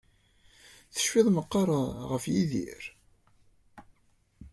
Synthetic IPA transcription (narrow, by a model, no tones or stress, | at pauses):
θə̥ʃfɪðˤməqːɑɾˤʁəfjiðḭɾ